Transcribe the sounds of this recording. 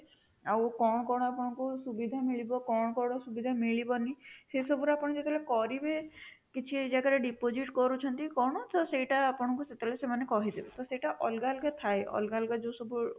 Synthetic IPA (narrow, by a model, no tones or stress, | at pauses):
awkɔɽ̃ɔkɔɽ̃ɔapɔɽ̃ɔ̃ŋkusubid̪ʱamiɭibɔkɔɽ̃ɔkɔɽ̃ɔsubid̪ʱamiɭibɔnisesɔbuɾapɔɽ̃ɔd͡ʒet̪elekɔɾibe | kit͡ʃʰid͡ʒaɡaɾeɖipod͡ʒiʈkɔɾut͡ʃʰɔnt̪ikɔɽ̃ɔt̪ɔsejʈaːpɔɽ̃ɔ̃ŋkuset̪lesemanekɔɦid̪ibɔt̪ɔseʈaʔɔlɡalɡat̪ʰaeɔ̰lɡalɡad͡ʒosɔbu